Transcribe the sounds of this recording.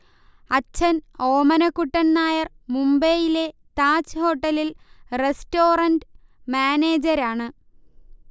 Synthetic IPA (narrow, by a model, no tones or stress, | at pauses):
ɐt͡ɕʰːɐno̞ːmɐnɐkːuʈːɐnnaːjɐr | mumbeːjile̞t̪aːt͡ɕɨho̞ːʈːɐlilresto̞ːrɐndmaːneːd͡ʑɐɾaːɳɨ